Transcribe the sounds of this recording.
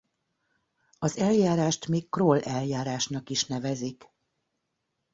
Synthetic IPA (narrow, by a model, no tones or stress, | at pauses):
ɒzɛljaːɾaːʃt̪miːkkːrolʔɛljaːɾaːʃnɒkiʃnɛvɛzik